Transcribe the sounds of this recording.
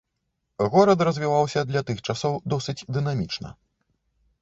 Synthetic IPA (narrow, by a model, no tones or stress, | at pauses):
ɣɔɾɐt̪rɐzʲvʲivawsʲɐd̪lʲɐt̪ɨxt͡ʂasɔwd̪ɔsɨt͡sʲd̪ɨn̪amʲit͡ʂnɐ̰